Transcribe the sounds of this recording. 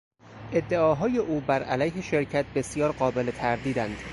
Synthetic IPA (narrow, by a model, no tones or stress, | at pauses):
ʔe̞d̪ːe̞ɒːɦɒːje̞ʔuːbæɾʔælæjɦeʃe̞ɾcʰæt̪̚ʰbe̞sijɒːɾɢɒːbe̞let̪ʰæɾd̪iːd̪ænd̪̥